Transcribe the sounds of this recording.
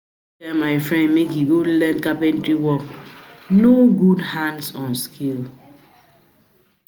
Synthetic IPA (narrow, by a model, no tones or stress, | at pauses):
ɛmaɪfɹɛ̃ndmekhiɡolɛ̃nkapɛ̃ntɾiwɔknoɡudhãndsɔ̃nskʰil